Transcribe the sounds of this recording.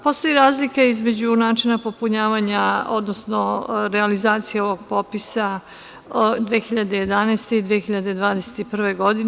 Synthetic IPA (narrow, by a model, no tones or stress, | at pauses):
po̞st̪o̞jiɾaːzlikeizme̞d͡ʑunaːt͡ʃinapo̞puɲaːʋaɲao̞d̪nosnoɾealizaːt̪sijeo̞ʋo̞ɡ̚po̞pisa | d̪ʋeːxiʎad̪eje̞d̪aneːst̪e̞id̪ʋeexiʎad̪e̞d̪ʋaːd̪ese̥t̪ipr̩ʋeɡo̞d̪in